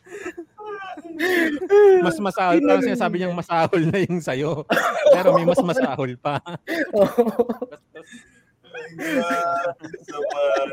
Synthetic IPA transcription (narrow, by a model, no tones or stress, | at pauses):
mɐsmɐsaːholpɐɐŋsɪnaːs̬aːbɪɲaŋmɐsaːholnɐjʊŋsɐjoppɛːɾo̞mɐjmɐsmɐsaːholpɐo